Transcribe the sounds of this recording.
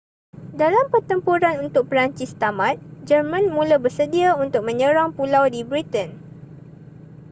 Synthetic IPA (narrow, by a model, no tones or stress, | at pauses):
dalampərt̪əmpuɾanunt̪ʊk̚pəɾaɲt͡ʃɪst̪amãt̪̚d͡ʒərmãnmũlabərsədiaunt̪ʊk̚mə̃ɲə̃ɾaŋpulawdibɾit̪ən